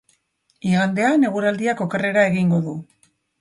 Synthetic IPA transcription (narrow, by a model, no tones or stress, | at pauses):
iɣand̪e̞ane̞ɣ̞uɾald̪iako̞kere̞ɾae̞ɣiŋɡo̞ðu